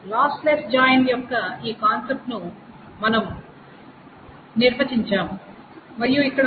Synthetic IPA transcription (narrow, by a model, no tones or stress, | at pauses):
laːsleːsd͡ʒaːjɐnʈjɔkːɐiːkaːnsep̚ʈnu | mɐnɐm | niɾʋɐt͡ʃiɲt͡ʃaːmː | ɐɾijuikːɐɽɐ